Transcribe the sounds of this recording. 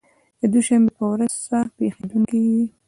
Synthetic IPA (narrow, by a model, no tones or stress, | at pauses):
d̪əd̪uʃambepəwɾazsapexed̪uŋkiji